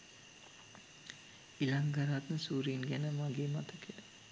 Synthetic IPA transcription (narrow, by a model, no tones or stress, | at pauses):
ilaŋɡaɾat̪nəsuːɾinɡænəmaɡeːmat̪əkʰə